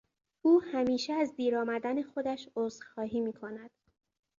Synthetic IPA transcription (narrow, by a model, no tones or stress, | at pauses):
uːhæmiːʃeæzd̪iːɾɒːmæd̪æne̞xo̞d̪æʃoːzxɒːɦiːmiːkʰo̞næd̪̥